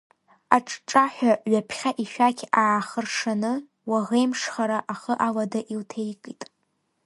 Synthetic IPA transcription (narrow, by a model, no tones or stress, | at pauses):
aʈ͡ʂʼʈ͡ʂʼaħʷᶣaɥapʰχʲaʔiʃᶣakʲʰaːχərʂanɨ | waʁejmʂχaɾaʔaχəʔaladaʔiltʰejkʼitʼ